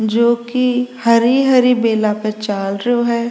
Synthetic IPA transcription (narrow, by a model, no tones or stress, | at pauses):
d͡ʒoːkihɐɾiɦɐɾibeːlapet͡ʃaːlɾɐɦoɦɛː